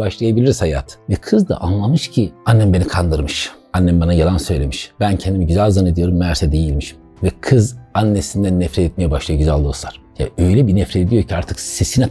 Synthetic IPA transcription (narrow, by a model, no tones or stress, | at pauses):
baʃlˠajabilʲiɾizhaja̰ːt̪ʰvɛkʰɯzd̪a̰ʔanlˠamɯʃcʰianːɛmbe̞nikʰand̪ɯɾmɯʃ | anːɛmbanajalˠansø̞jlʲemiʃbæncʰɛnd̪imiɟyzælʲzaned̪ijo̞ɾumːæɾsɛd̪ejilʲmiʃi̥m | vɛkʰɯzanːesind̪ænːɛfɾɛt̪ɛt̪̚mijɛbaʃlˠajaɟyzælʲlˠuosaɾ̥ja̰ø̞jlʲɛbinɛfɾet̪ed̪ijo̞ɾcʰiaɾt̪ʰɯksesinɛ